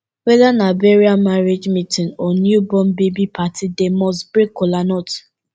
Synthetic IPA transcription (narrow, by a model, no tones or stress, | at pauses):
wɛðanabeɹiamaɾed͡ʒmitinɔnjubɔ̃mbebipʰatʰidemɔsbɹekolanɔt